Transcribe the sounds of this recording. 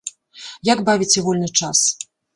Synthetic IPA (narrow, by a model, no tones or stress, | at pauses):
jaɡbavʲit͡sʲɛvɔlʲnɨt͡ʂas